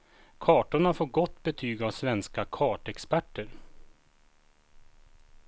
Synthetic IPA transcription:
kʰɑːʈʊɳafoːɡɔt̪ːbɛt̪ʰyːɡavsvɛnskakʰɑːʈɛkspæʈːəɾ

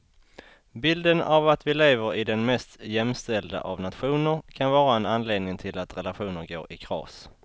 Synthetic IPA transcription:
bɪld̪ənavat̪vɪleːvəɾɪd̪ɛnmɛst̪jɛmst̪ɛld̪a̰ʔavnat̪ɧuːnəɾkʰanvɑːɾaɛnanleːd̪nɪŋt̪ʰɪlat̪ɾɛlaɧuːnəɾɡoːɾɪkʰɾɑ̰ːs

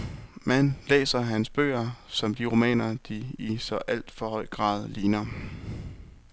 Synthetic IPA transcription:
mænlḛːsɐɦænsb̥ø̰ːɐsɒ̽md̥iʁo̝mɛ̰ːnɐd̥iːsɒ̽ʔæl̰d̥fɒ̽hɒ̽ɪ̰ɡ̥ʁɑ̰̈ːð̞ˠliːnɐ

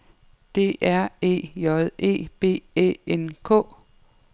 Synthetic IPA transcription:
d̥e̝̰ʔæɐ̰e̝̰ːjɒðˠe̝̰ːb̥e̝̰ːb̥ḛːenkʰɔ̰̽ː

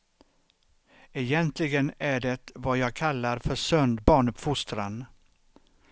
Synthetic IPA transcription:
ɛjɛnt̪ʰlɪɡənæɖɛt̪vajɑːɡ̚kʰalːaɾfœʂœnd̪bɑːɳɵpfʊst̪ɾan

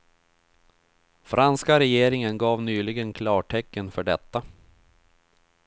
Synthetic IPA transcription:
fɾʔanskaɾɛjeːɾɪŋənɡɑːvnyːlɪɡənkʰlɑːʈʰɛkːənfœɖɛt̪ːa

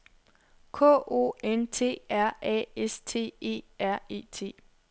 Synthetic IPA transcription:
kʰɔ̰ːo̝̰ːent͡sʰe̝̰ːæɐ̰ɛ̰est͡sʰe̝̰ːe̝̰ːæɐ̰e̝̰ːt͡sʰe̝̰ː

